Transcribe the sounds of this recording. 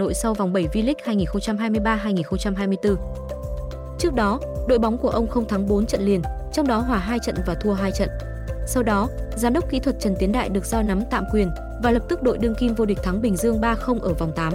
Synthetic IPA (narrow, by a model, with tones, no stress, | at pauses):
o̰˧˨jsa˧wva˨˩wŋ͡mɓə˧˩jvi˧lï˦˥k̟̚haː˧jŋi˨˩nxə˧ŋ͡mt͡ɕa˧mɦaː˧jmɨ˧əjɓaː˧ɦaː˧jŋi˨˩nxə˧ŋ͡mt͡ɕa˧mɦaː˧jmɨ˧əjt̪ɨ˧ | t͡ɕɨ˦˥ək̚ɗɔ˨˦ɗo̰˧˨jɓa˨˦wŋ͡mku˧˩əʔə˧wŋ͡mxə˧wŋ͡mt̪ʰaː˨˦ŋɓo˨˦nt͡ɕə̰˧˨nli˨˩ən | t͡ɕɔ˧wŋ͡mɗɔ˨˦ɦwaː˧˩ɦaː˧jt͡ɕə̰˧˨nvaː˨˩t̪ʰu˧əɦaː˧jt͡ɕə̰˧˨nʔ | sa˧wɗɔ˨˦zaː˨˦mɗə˦˥k͡p̚kḭ˧˥t̪ʰwə˨˩t̚t͡ɕə˨˩nt̪i˨˦nɗa̰ː˧˨jɗɨ˨˩ək̚zɔ˧na˨˦mt̪a̰ː˧˨mkwi˨˩ən | vaː˨˩lə˨˩p̚t̪ɨ˦˥k̚ɗo̰˧˨jɗɨ˧əŋki˧mvo˧ɗi˨˩k̟̚t̪ʰa˨˦ŋɓï˨˩ŋ̟zɨ˧əŋɓaː˧xə˧wŋ͡mʔəː˧˩va˨˩wŋ͡mt̪aː˨˦m